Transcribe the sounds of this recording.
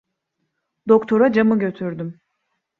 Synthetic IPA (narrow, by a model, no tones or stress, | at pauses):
d̪o̞kt̪ʰo̞ɾad͡ʒamɯɟø̞t̪ʰyɾd̪ym